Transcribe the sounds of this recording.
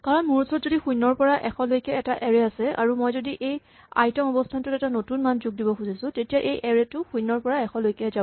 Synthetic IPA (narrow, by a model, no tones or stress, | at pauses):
kaɹɔnmʊɹusɔɹɔtzodixujnɔɹpɔɹaʔɛxʰɔlojkɛɛtaʔeɹɛasɛa̰ɹumojzodiʔej | a̰jtɔŋɔbɔstʰantʊtɛtanotunmanzuɡ̚dibɔkuzisʊ̃tetijaʔejʔɛɹɛtʊxujnːɔɹpɔɹaɛxʰɔlojkɛza